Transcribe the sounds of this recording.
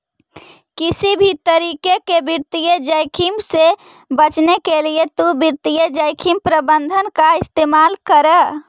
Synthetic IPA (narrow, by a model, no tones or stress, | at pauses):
kisibʱit̪əɾikekebiɾt̪ijed͡ʒəjkʰimse | bət͡ʃnekelijet̪ubiɾt̪ijəd͡ʒəjkʰimpɾəbənd̪ʱənkaist̪emalkəɾə